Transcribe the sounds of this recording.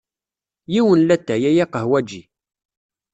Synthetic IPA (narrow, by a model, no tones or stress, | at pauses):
jiwənlæt̪ːæjæjæqəɦwæd͡ʒi